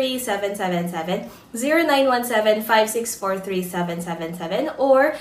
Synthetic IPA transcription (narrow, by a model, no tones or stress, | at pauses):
isɛvɛ̃nsɛvɛ̃nsɛvɛ̃n | ziɹonãj̃nwʌ̃nsɛvɛ̃nfajvsɪksfɔɹθɹiːsɛvɛ̃nsɛvɛ̃nsɛvɛ̃nɔɹ